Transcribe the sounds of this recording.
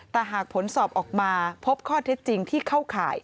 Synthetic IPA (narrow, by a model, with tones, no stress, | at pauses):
t̪ɛː˨˩ɦaː˨˩k̚pʰo˩˦nsɔː˨˩p̚ʔɔː˨˩k̚maː˧pʰo˦˥p̚kʰɔː˥˩t̪ʰe˦˥t̪̚t͡ɕi˧ŋt̪ʰiː˥˩kʰa˥˩wkʰa̰ː˨˩j